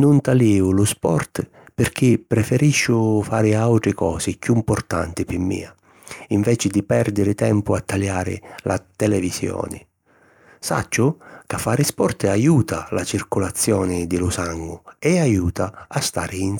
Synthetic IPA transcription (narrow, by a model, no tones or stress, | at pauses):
nʊnt̪aliːʊlʊspɔ̰rt̪ | pɪrk̟ɪpːɾɛfɛɾiʃːʊfaːɾɪawt̪ɾɪkɔːsɪkjuimpʊrt̪a̰nt̪ɪpɪmːḭːa | iɱvɛːt͡ʃɪd̪ɪpɛrd̪ɪɾɪt̪ɛmpʊat̪ʰːaljaːɾɪ̰lʔa̰t̪ɛlɛvisjɔ̰ːnɪ̰ | sa̰t͡ʃːʊkafːaːɾɪspɔrt̪ajuːt̪alat͡ʃirkʊlat̪sːjɔːnɪd̪ɪlʊsaŋɡʊɛajuːt̪aast̪a̰ːɾɪin